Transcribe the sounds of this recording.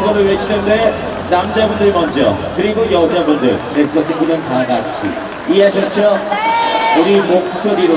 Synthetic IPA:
ɡʌɾɯɭwet͡ɕʰinɯnde̞ | namd͡ʑabundɯɭmʌnd͡ʑʌ̰kɯɾiɡojʌd͡ʑabundɯ̰ɭnes͈ɯɡatʰiŋɡunɯnkaɡat͡ɕʰḭ | iaɕ̬ʰʌt͡ɕ͈ʰʌ | uɾimok̚s͈oɾiɾo

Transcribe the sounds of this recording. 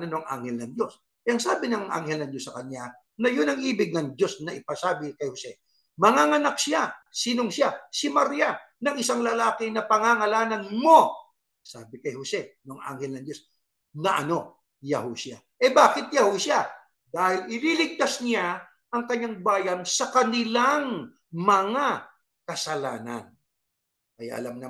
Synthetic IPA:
nɐnoɐŋʔa̰ŋhɛlnɐŋd̪o̞s | ɛʔɐŋsaːbɪnɐŋʔa̰ŋhɛlnɐŋd̪osːɐkɐɲːa | nɐjʊnɐŋʔiːbɪɡ̚nɐŋd͡ʒo̞snɐʔɪpɐsaːbɪkɐjhosɛ | mɐŋaŋɐnak̚sɪasiːnoŋsjasɪmɐɾija | nɐŋɪsaŋlɐlaːkɪnɐpɐŋaŋɐlaːnɐnmo̞ | sa̰ːbɪkɐjhosɛnoŋʔa̰ŋhɛlnɐŋd͡ʒo̞s | nɐʔɐno̞ | jɐhosja | ʔɛbaːkɪt̪̚jɐhosja | d̪aːhɪlʔɪlilɪɡ̚t̪asnɪa | ʔɐŋkɐɲːaŋbaːjɐnsɐkɐnɪlaŋ | mɐŋa | kɐsɐla̰ːnɐ̰n | kɐja̰ʔɐ̰lamnɐ

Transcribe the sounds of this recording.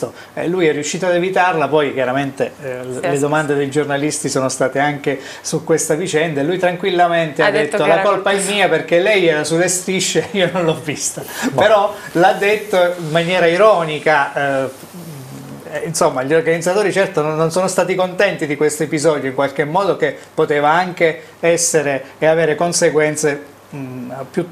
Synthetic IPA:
o | ɛ̰lujɛrːiuʃːiːt̪oad̪evit̪arlapɔjk̟jaɾament̪eled̪omand̪ed̪ejd͡ʒornalist̪isoːnost̪aːt̪eaŋk̟e | sukːwest̪avit͡ʃɛnd̪aelujt̪ɾaŋkwilːament̪ead̪ːet̪ːolakolpaɛmːiːaperk̟elɛjɛːɾasulːest̪ɾiʃːeiːononlɔvːist̪apeɾɔlad̪ːet̪ːoimmːanjɛːɾaiɾɔːnika | insomːaʎorɡanid̪zːat̪oːɾit͡ʃɛrt̪onnːonsoːnost̪aːt̪ikont̪ɛnt̪id̪ikwest̪oepizɔːd̪joiŋkwalk̟emːɔːd̪ok̟epːot̪eːvaaŋk̟e | ɛsːeɾeːaveːɾekonseɡwɛnt̪se | pju

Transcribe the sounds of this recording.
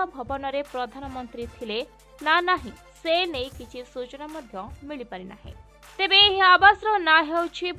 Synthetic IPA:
ɔbʱɔbɔnɔɾepɾɔd̪ʱanɔmɔnt̪ɾit̪ʰile | nanaɦĩ | senejkit͡ʃʰisut͡ʃɔnamɔd̪ʱjɔmiɭipaɾina̰ɦḛ̃ | t̪ebeːɦiabasɾɔnaɦewt͡ʃʰib

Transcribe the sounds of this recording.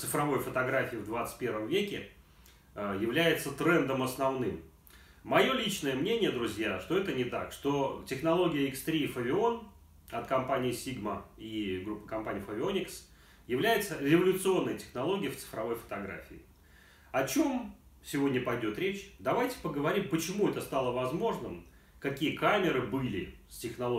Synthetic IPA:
t̪sɨfɾɐvo̞jfət̪ɐɡɾafʲɪːvd̪vat̪sɨ̥tʲpʲeɾvəmvʲekʲɪ | jɪvlʲæjɪt̪sət̪ɾɛnd̪əmɐsnɐvnɨmː | ɐjo̞lʲit͡ɕnəjəmnʲenʲɪjəd̪ɾʊzʲjaʂt̪o̞ɛt̪ənʲɪt̪akʂt̪o̞tʲɪxnɐlˠo̞ɡʲɪjəɪkst̪ɾʲifəvʲɪo̞n | ɐt̪kɐmpanʲɪːsʲiɡməiɡɾupːə̥kɐmpanʲɪjfəvʲɪo̞nʲɪks | jɪvlʲæjɪt̪səɾʲɪvəlʲʊt̪sɨo̞nːəjətʲɪ̥xnɐlˠo̞ɡʲɪjəft̪sɨ̥fɾɐvo̞jfə̥t̪ɐɡɾa̰fʲɪɪ | ɐt͡ɕo̞m | sʲɪvo̞dʲnʲəpɐjdʲo̞t̪ɾʲet͡ɕd̪ɐvajtʲɪ̥pəɡəvɐɾʲimpət͡ɕɪmuɛt̪əst̪alˠəvɐzmo̞ʐnɨm | kɐkʲijəkamʲɪɾɨbɨlʲɪsʲtʲɪxnɐlˠo

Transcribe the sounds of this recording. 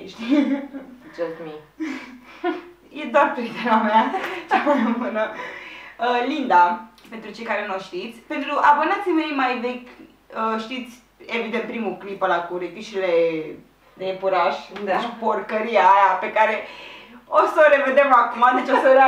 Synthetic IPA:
ʃt̪i | d͡ʒɐst̪mi | jed̪oarpɾit̪enameat͡ʃamamɨnə | əlind̪apent̪ɾut͡ʃe̞jkaɾe̞nojʃt̪it̪sʲpe̞nt̪ɾuʔabənat̪sime̞jmajvekʲ | əʃt̪it̪sʲ | evid̪ent̪pɾimuklipəlakuɾik̪iʃile | d̪epuɾaʃd̪ʃiporkəɾiajapekaɾe | osoɾe̞ve̞d̪e̞makumad̪et͡ʃosəɾ

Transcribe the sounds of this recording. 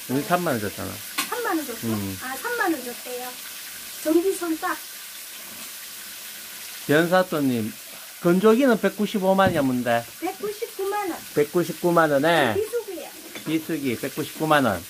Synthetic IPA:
uisʰamːanɯnd͡ʑʌt͡ɕʰa̰na̰ | sʰamːanɯnd͡ʑoʌasʰamːanɯnd͡ʑʌs͈ejo | t͡ɕʌŋɡisʰʌns͈a | pjʌns̬ʰat͈oɲːim | kɯnd͡ʑoɡinɯnpe̞k̚k͈uɕʰibomaniʌmːunde̞pek̚k͈uɕʰip̚k͈umanɯnpe̞k̚k͈uɕ̬ʰip̚k͈umanɯnepisʰoɡɯ | pisʰɯɡipek̚k͈uɕʰi̥p̚k͈umanʌ̰n

